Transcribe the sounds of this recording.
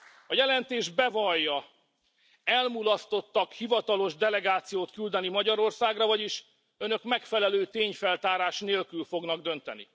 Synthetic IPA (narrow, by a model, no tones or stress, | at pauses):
ɒjɛlɛnt̪eːʒbɛvɒjːɒ | ɛlmulɒst̪o̞t̪ːɒkhivɒt̪ɒlo̞ʒd̪ɛlɛɡaːt̪sijoːt̪kyld̪ɛnimɒɟɒɾo̞rsaːɡrɒvɒɟiʃ | ø̞nø̞kmɛkfɛlɛløːt̪eːɲfɛlt̪aːɾaːʃneːlkylfo̞ɡnɒɡd̪ø̞nt̪ɛ̰nḭ